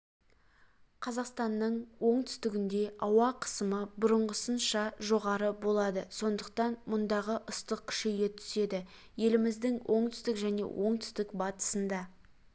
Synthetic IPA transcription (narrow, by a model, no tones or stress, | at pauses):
qʰɑzɑqst̪ɑnːəɴwo̞ɴt̪ʰʏ̥st̪ɪɡʲɪnd̪e̞ɑwɑqʰə̥səməbʊɾəɴʁəsənʃɑʒo̞ʁɑɾəbo̞lˠɑd̪əso̞nd̪əq̚t̪ɑnmʊnd̪ɑʁəʔʊst̪əq̚kʲʰɪ̥ʃejet̪ʰʏ̥se̞d̪ɪ | je̞lɪmɪzd̪ɪŋwʔo̞ɴt̪ʰʏ̥st̪ɪkʒæne̞̰wʔo̞ɴt̪ʰʏ̥st̪ɪkbɑt̪ə̥sənd̪ɑ